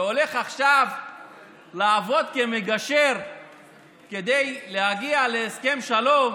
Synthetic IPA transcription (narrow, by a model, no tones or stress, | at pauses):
o̞le̞χaχʃav | laːvo̞d̪kemeɡaʃe̞ʁ | ked̪ejlehaɡialeːske̞mʃalom